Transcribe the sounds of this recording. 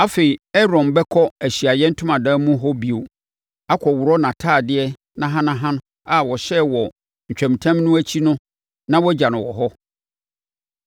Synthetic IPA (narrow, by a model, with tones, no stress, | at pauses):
a˦fe˨i˨ɛ˦ɾɔ̃˨nbɛ˦kʰɔ˦æ˨ɕi˨a˨jɛ˦n̩˦tʰʊ̃˦mã˨dãː˦mũ˦ɦɔ˦bi˨o˨ | a˦kʰɔ˨wʊ˨ɾɔ˦nã˨tʰaː˦˨dɪ˦ɛ˦ | nã˦ɦã˦nã˦ɦã˦nʊ̃˦ | a˨wɔ˨ɕɛ˦wɔ˨ | ɲ̩˨t͡ɕᶣɛ̃˨m˨tʰã˦mnʊ̃˦æ˦t͡ɕʰi˦nʊ̃˦ | nã˦wɔ˦d͡ʑã˨nʊ̃˨wɔ˨ɦɔ˦